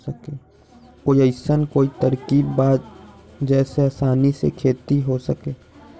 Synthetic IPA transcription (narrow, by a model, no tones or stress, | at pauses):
əkeː | koiəɪsənkoːit̪əɾkiːbbaːd̪ | d͡ʒɛːseaːsaːnisḛkʰeːt̪iɦosəkeː